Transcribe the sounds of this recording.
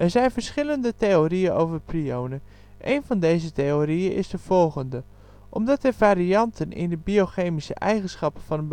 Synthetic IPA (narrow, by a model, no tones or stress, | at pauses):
ʔɛrzɛjnvərsχɪləndətejoriənowvərpʰriownə | ʔejnvɑndejzəteoriənʔɪ̰sdəvɔlˠɣəndə | ʔɔmdɔt̚dəfaːɾiɑntʰənɪ̰ndəbioxeːmisə̰ʔɛjɣənsχɑpəfɔnənb